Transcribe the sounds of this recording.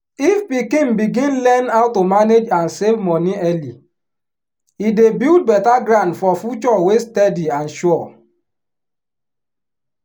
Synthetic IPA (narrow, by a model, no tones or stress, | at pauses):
ifpikĩnbiɡĩnlɛnawtomaned͡ʒãnsevmɔniɛli | idebild̚bɛtaɡɾãndfɔfut͡ʃɔwestɛdiãnʃɔɔ